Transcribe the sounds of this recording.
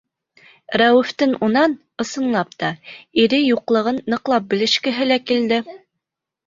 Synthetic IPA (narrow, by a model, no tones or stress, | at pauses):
ɾæwɘ̆ft̪ɘnunɑn | ɤ̆sɤ̆nlˠɑp̚t̪ɑiɾɘjuqlˠɤ̆ʁɤnːɤ̆qlˠɑp̚bɘ̆lɘ̆ʃkɘ̆ɦɘlækild̪ɘ